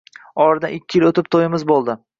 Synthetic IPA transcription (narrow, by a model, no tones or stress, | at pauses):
ɒɾɪd̪aɪkʲːɪjɪlot̪ɪp̚t̪ʰojɪmɪzbolˠd̪ɪ